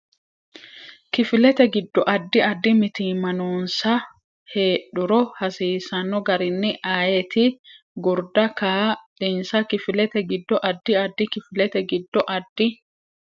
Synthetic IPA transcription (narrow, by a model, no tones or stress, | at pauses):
kɪfɪlɛt̪ɛɡɪd̪ːɔʔɐd̪ːɪɐd̪ːɪmɪt̪iːmɐnuːnsɐ | heːɗʊɾɔhɐsiːsɐnːɔɡɐɾɪnːɪʔaːjɛt̪ɪ | ɡʊɾd̪ɐkaːᶑɪnsɐkɪfɪlɛt̪ɛɡɪd̪ːɔʔɐd̪ːɪɐd̪ːɪkɪfɪlɛt̪ɛɡɪd̪ːɔʔɐd̪ːɪ